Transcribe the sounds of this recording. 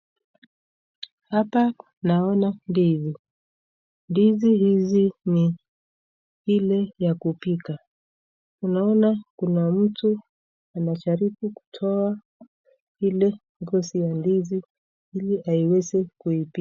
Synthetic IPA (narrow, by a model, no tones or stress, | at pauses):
hapa | naɔnandizi | ndizihizini | hilɛjakupika | unaɔnakunam̩tu | anat͡ʃaɾikuku̥tʰɔa | hilɛ | ɡɔsijandizi | iliʔaiwɛzɛkuipi